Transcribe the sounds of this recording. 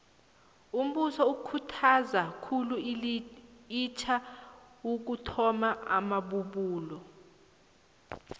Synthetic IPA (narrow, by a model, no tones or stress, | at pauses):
um̩ɓusɔukʰutʰazakʰulu | it͡ʃʰa | uk̬utʰɔmaa̰maɓuɓuːlɔ